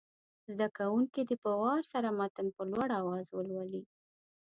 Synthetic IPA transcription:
zd̪akawuŋkid̪əpəwɑɾsaɾamat̪ənpəlwaɽawɑzwəlwali

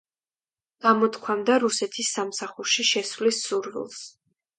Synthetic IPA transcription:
ɡ̥amɔt̪kʰwamd̪aɾusɛt̪ʰisːamsaχuɾʃiʃɛsvlisːuɾvḭlˠs

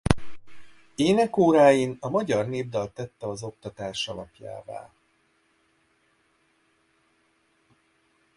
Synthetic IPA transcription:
eːnɛkoːɾaːjinɒmɒɟɒrneːbd̪ɒlt̪ɛt̪ːɛɒzo̞kt̪ɒt̪aːʃɒlɒpja̰ːva̰ː

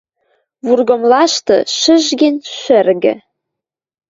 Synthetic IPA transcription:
βurɣŏmlˠɑʃt̪ɤ̰̆ʃəʒɡenʲʃɘ̆rɡɘ̰̆

